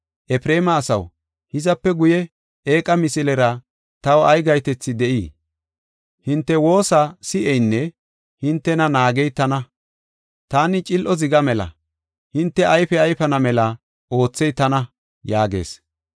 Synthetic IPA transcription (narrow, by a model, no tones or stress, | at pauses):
ʔɛpɾe̞ːmɐːsɐw | hɪzɐpːɛɡʊjɛ | ʔeːkʼɐmɪsɪlɛɾɐ | t̪ɐwɔɐjɡɐjt̪ɛt͡sːɪd̪ɛʔiː | hɪnt̪ːɛwo̞ːsasɪʔɛjnːɛ | hɪnt̪ːɛnɐnaːɡɛjt̪ɐnɐ | t̪aːnɪt͡ʃʼɪlʔɔzɪɡɐmɛlɐ̰ | hɪnt̪ːɛɐjfɛɐjfɐnɐmɛlɐ | o̞ːt͡sːɛjt̪ːɐnɐ | jaːɡe̞̰ːs